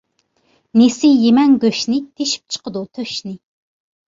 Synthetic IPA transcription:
nesɪjemɛŋɡʲøʃnɪt̪ʰeʃi̥p̚t͡ʃʰə̥qəd̪ut̪ʰøʃnɪ

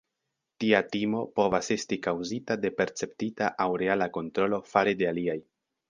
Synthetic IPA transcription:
tiatimo̞po̞vase̞stikawzitade̞pe̞ɾt͡se̞ptitaʔawɾe̞alako̞ntɾo̞lo̞faɾede̞aliaj

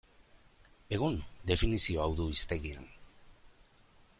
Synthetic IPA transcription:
e̞ɣ̞und̪e̞finisio̞awðuist̪e̞ɣiḛn

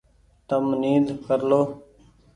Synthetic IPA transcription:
t̪əmniːd̪kəɾloː

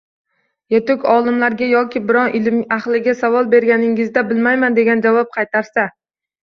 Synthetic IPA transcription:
jet̪ʊkʲʰɒlˠɪmlaɾɡʲajɒkʲʰɪbɪɾɒnʔɪlmaχlˠɪɡʲasavɒlˠbe̞ɾɡʲanɪŋɪzd̪abɪlmajmand̪e̞ɡʲand͡ʒavɒp̚qʰɑjt̪ʰaɾsa

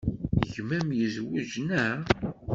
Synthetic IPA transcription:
ʝmæmjəzwuʒnæ

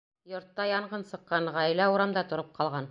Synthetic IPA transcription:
jŏɾt̪ːɑjɑɴʁɤnsɤ̆qːɑɴʁæjlæuɾɑmd̪ɑt̪ŏɾɤp̚qɑlˠʁɑn

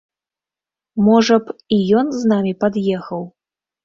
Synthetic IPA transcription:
mɔʐɐpijɔnznamʲipad̪jɛxɐw

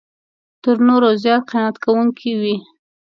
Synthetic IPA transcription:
t̪əɾnoɾozjɑt̪̚qɪnat̪kawuŋkʰiwi

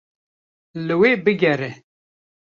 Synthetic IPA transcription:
lɨweːbɨɡʲɛɾɛ

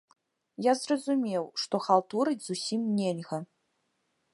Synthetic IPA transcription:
jazrɐzumʲewʂt̪ɔxalˠt̪uɾɨdʲz̥usʲimnʲelʲɣɐ

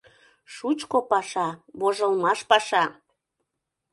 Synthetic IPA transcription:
ʃut͡ʃkopɑʃɑβoʒəlmɑʃpɑʃɑ

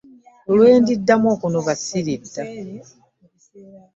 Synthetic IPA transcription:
olwe̞ːndidːamoːkunoβasiɾidːa

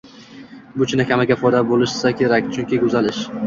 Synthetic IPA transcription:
bʊt͡ʃʰɪnakʲamaɡʲafɒjd̪abolɪʃsakʲʰe̞ɾakʲt͡ʃʰʊŋkʲɪkʰʊzalɪʃ

